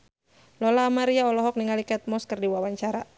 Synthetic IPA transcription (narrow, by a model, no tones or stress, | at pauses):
lɔlaːmaɾiaɔlɔɦɔk̚niŋalikɛt̪̚mɔskɨrdiwawaɲt͡ʃaɾa